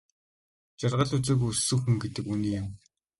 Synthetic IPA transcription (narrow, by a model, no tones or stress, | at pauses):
t͡ɕarʁə̆ɮut͡sɘ̆ːk̬usːŭːxɘ̆ŋɡet̪ɘ̆kuniːjam